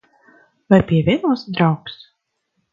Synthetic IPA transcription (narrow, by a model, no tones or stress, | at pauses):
vajpʲiɛvʲiɛnusd̪ɾawks